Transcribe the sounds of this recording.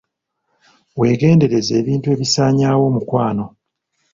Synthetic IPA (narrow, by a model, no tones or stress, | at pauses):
we̞ːɡe̞ːnde̞ɾe̞ze̞ːβiːntue̞ːβisaːɲaːwo̞mukwaːno̞